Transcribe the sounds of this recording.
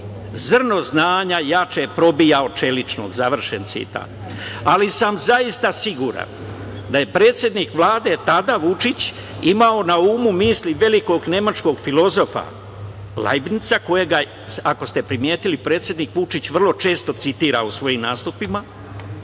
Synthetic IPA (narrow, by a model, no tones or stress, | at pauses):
zr̩no̞znaːɲajat͡ʃepɾo̞bijao̞t͡ʃe̞lit͡ʃno̰ɡzaʋr̩ʃent̪sḭt̪a̰ːt̪ | alisamzaist̪asiɡuɾa̰n | d̪aje̞pɾe̞ːt̪sʲje̞d̪nikʋlˠaːd̪e̞t̪ad̪aʋut͡ʃit͡ɕ | imao̞nauːmumiːsliʋe̞liko̞ɡne̞mat͡ʃko̞ɡfilo̞zo̞fa̰ | la̰jibnit̪sako̞jeɡa | sako̞st̪e̞pɾimje̞ːt̪ilipɾe̞ːt̪sʲje̞d̪nikʋut͡ʃit͡ɕʋr̩lo̞t͡ʃe̞ːst̪o̞t̪sit̪iːɾausʋo̞jimnaːst̪upima